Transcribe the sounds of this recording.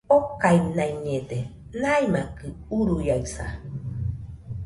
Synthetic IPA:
okajnaiɲed̪e | najmakɯuɾujaɯsa̰

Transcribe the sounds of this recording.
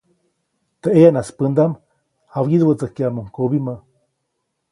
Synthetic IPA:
t̪əʔeanaspɨnd̪am | awjiðwət͡səkjamuŋkobima

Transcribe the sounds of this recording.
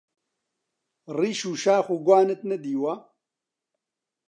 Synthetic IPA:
riːʃuːʃaːxuɡʷaːnɨt̪̚nɐd̪iːwa

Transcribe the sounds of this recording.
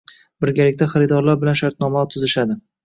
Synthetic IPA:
bɪɾɡʲalɪk̚ʲt̪ʰaχaɾɪd̪ɒɾlaɾbɪlanʃaɾt̪̚nɒmat̪ʰʊzɪʃad̪ɪ

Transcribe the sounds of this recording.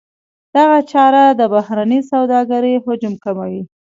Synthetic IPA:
d̪̥aɣat͡ʃɑɾad̪əbahɾanisawd̪ɑɡaɾəjhʊd͡ʒʊmkamawi

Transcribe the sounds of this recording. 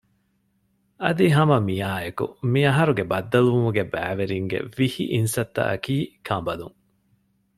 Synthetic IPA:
ɐd̪iɦɐmɐmijaːekṵmiɐɦɐɾuɡebɐd̪ːɐluʋumuɡebæːʋeɾiŋɡḛʋihḭʔinsɐt̪ːɐ̰ʔɐ̰kiːkʰɐmbɐluŋ

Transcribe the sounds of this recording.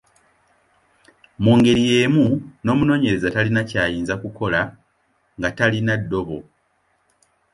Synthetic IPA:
muːŋɡe̞ɾije̞ːmuno̞ːmuno̞ːɲe̞ɾe̞zatalinacaːjiːnzakuko̞la | ŋɡatalinadːo̞βo̞

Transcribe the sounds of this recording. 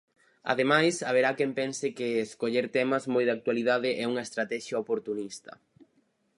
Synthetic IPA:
a̰ðemajsɐβ̞eɾakɛmpɛnsɪkɪːskoʎeɾt̪ɛmɐzmojðak̚t̪waliðaðɪʔɛuŋɐest̪ɾat̪ɛʃjaopoɾt̪unist̪ɐ̥̰

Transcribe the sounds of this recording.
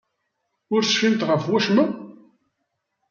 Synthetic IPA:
ʊɾsfimt̪ʁəfwæʃmə

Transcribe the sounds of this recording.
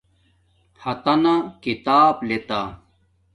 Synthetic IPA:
hɐt̪ɐnakit̪aːblet̪a

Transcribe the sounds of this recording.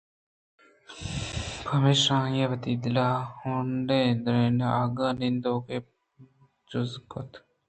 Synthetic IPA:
pʰɐmeːʃãːjeʋət̪iːd̪laːhuːɳɖeːnd̪ɾeːnaːɡaːnɪnd̪oːke | d͡ʒʊzkot̪

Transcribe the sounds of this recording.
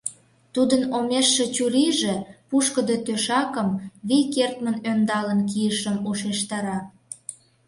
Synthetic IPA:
t̪ud̪ənomeʃːĕt͡ɕuɾiʒĕpuʃkəd̪ot̪øʃɑkəmβikert̪mənønd̪ɑlənkijəʃəmuʃeʃt̪ɑɾɑ

